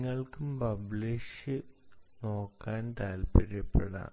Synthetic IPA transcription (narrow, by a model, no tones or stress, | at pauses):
ŋːɐɭkumpɐbɭiʂɨno̞ːkːaːnt̪aːlpɐɾjɐpːeɽa̰ː